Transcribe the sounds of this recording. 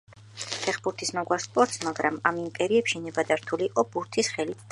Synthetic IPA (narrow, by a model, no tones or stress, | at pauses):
pʰɛχbuɾt̪ʰismɔɡwaspʼɔɾt̪smaɡɾamamimpʼɛɾiɛpʃinɛbad̪aɾt̪ʰuliːqʼɔbuɾt̪ʰisχɛlit̪ʰd̪